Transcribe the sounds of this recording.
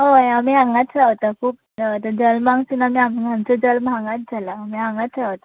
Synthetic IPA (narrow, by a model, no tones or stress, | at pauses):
ɦojamiːãŋɡat̪sʰaʋt̪akʰuːp̚ | dat̪əd͡zəlmãŋsinamiamimʱant͡sɔd͡zəlmãŋɡat̪̚d͡zʱalaːmiːãŋat̪ʰaʋt̪a